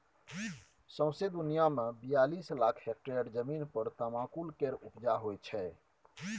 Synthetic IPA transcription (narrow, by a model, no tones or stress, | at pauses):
sə̃w̃sed̪unijamebijalislakʰhek̚ʈeɽd͡ʒəminpəɾt̪əmãkulkeɾupd͡ʒaɦojt͡ʃʰɛ